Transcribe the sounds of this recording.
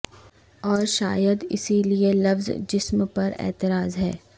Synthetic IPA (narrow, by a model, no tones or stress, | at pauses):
ɔːɾʃa̰ːjəd̪ɪ̰silielɐfzd͡ʒɪsmpɐɾɛ̰ːt̪ɪɾaːzɦɛː